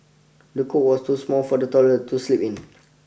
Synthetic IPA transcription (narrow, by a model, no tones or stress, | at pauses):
dəkʰoʔwɔstusmɔlfɔdətɔlətuslipĩn